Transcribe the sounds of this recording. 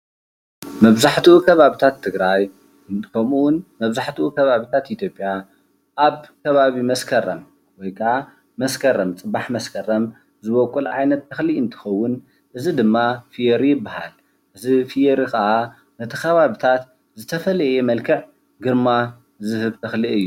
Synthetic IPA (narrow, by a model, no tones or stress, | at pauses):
mɐβzaħt̪ʰiukʰɐβaβit̪ʰat̪ʰːɨɡɾaj | kʰɐmunmɐβzaħt̪ʰuʔukʰɐβaβit̪ʰat̪ʔit̪ʰjo̞pʼːja | ʔaβkʰɐβaβimɐskʰɐɾɐm | wɔjkʰɐʕa | mɐskʰɐɾɐmt͡sʼɨbaħmɐskʰɐrɐm | zɨβokʼːulʕa̰jnɐt̪ːɐxliɨnt̪ʰɨ̥xɐwːʊn | ʔɨzid̪ɨmːafijɛɾijɪbːaha̰l | ʔɨzifijeɾixɐʔa | nɐt̪ʰixɐβaβit̪ʰat̪ | zɨt̪ʰɐfɐlɐjemɐlkʰɨʕ | ɡɨɾma | zɨhɨβt̪ʰɐxliʔɨjːu